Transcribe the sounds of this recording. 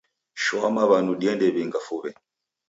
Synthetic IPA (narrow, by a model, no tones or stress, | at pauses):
ʃɔamaβanuɗiɛndɛβiŋɡafuβɛ